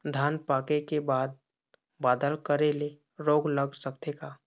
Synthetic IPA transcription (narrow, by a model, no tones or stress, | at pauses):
d̪ʱaːnpaːkekebaːd̪̚ | baːd̪əlkəɾele | ɾoːɡləɡsəkt̪eka